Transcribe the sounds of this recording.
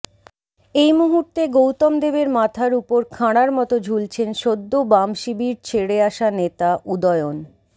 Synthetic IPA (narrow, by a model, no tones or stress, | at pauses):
ejmuɦuɾt̪eɡowt̪ɔmd̪ebeɾmat̪ʰaɾupoɾkʰaɽ̃aɾmɔt̪od͡ʑʱult͡ɕʰenʃod̪ːobamʃibiɾt͡ɕʰeɽeaʃanet̪aʔud̪ɔeon